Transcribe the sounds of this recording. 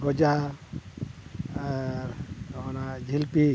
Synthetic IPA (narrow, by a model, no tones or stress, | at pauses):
ɡɔd͡ʒa | anad͡ʒʱilpi